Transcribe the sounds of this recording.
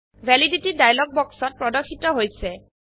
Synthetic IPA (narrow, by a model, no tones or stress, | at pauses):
bʱɛliditidajlɔɡ̚bɔksɔt̚pɹɔdɔkʰːitɔɦojsɛ